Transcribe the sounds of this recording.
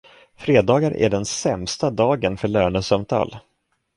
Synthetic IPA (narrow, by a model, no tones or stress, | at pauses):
fɾeːd̪ɑːɡaɾʔæ̰ɖɛnsɛmst̪ad̪ɑːɡənfœɭœːɳəsœmt̪ʰɑ̰ːl